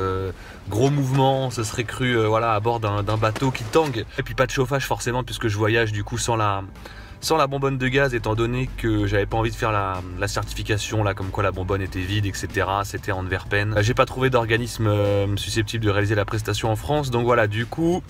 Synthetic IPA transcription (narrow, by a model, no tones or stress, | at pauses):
ɡʁomuvmɑ̃səsəχɛkχyøvwalaːbɔʁd̪ɛ̃d̪ɛ̃bat̪okʲit̪ɑ̃ɡepɥipad̪əʃofaʒfɔʁsemɑ̃pɥiskəʒəvwajaʒd̪ykusɑ̃la | sɑ̃labɔ̃bɔnd̪əɡʲazet̪ɑ̃d̪ɔnekəʒavɛpaɑ̃vid̪əfɛʁlalasɛʁt̪i̥fikʲasjɔ̃lakɔmkwalabɔ̃bɔnet̪ɛvid̪ɛkset̪eʁaset̪ɛɑ̃nvɛʁpɛnʒepat̪χuved̪ɔʁɡanismøsysɛp̚t̪ʰibld̪əʁealizelapχɛs̬t̪asjɔ̃ɑ̃fχɑ̃s̬d̪ɔ̃kvwalad̪ykʰu